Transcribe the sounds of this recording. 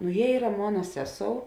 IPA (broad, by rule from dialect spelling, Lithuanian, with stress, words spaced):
nʊ ˈjiɛ ˈiːrɐ ˈmoːnɐ ˈsʲæːˌsoːʊ